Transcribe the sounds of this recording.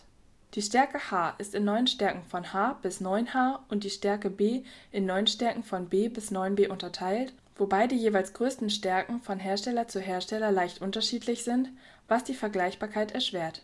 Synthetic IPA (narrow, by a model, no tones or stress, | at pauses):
d̥iːʃtɛɐkəhaːʔɪstɪnːɔʏənʃtɛɐkŋ̩fɔnhaːb̥ɪsnɔʏnhaːʔʊntd̥iːʃtɛɐkəbeːʔɪnːɔʏənʃtɛɐkŋ̩fɔnbeːbɪsnɔʏnbeːʔʊntɐtʰaɪlt | v̥obaɪdiːjeːvaɪlsɡ̥ʁøːstn̩ʃtɛɐkŋ̩fɔnɦeːɐʃtɛlɐt͡suɦeːɐʃtɛlɐlaɪçtʔʊntɐʃiːtlɪçz̥ɪnt | vasd̥iːfɛɐɡlaɪçb̥aːɐkʰaɪtɛɐʃv̥eːɐt